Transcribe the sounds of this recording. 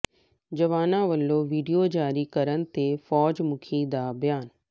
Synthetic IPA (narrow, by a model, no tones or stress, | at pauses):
d͡ʑɐʋaːnãʋɐlːoʋiːɖijod͡ʑaːɾikɐɾənɪ̆t̪efɔːd͡ʑmʊkʰid̪aːbjaːn